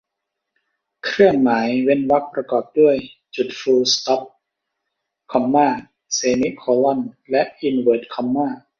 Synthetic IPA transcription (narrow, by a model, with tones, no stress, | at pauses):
kʰɾɯ˥˩əŋmaː˩˦jwe˦˧˥nwa˦˥k̚pɾa˧kɔː˨˩p̚du˥˩əjt͡ɕu˨˩t̪̚fuː˧st̪ɔ˦˥p̚ | kʰɔ˧mːaː˥˩ | seː˧ni˦˥ʔkʰɔː˧lɔ˥˩nlɛ˦˥ʔʔi˧nwɤː˨˩t̪̚kʰɔ˧mːaː˥˩